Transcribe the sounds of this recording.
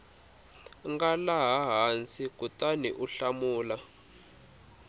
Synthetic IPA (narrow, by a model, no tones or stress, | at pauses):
ŋɡalaɦaɦant͡sikʼutʼaniʔuɬamuːla